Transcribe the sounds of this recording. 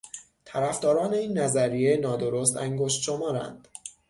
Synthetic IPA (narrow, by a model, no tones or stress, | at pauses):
t̪ʰæɾæfd̪ɒːɾɒːne̞iːnːæzæɾijenɒːd̪o̞ɾost̪æŋɡoʃt̪ʃomɒːɾæ̰nd̪̥